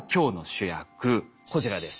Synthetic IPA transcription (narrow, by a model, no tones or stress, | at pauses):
kʲo̞ːno̞ɕɨjakɯ̟ko̞d͡ʑiɾad̪e̞sɨ̥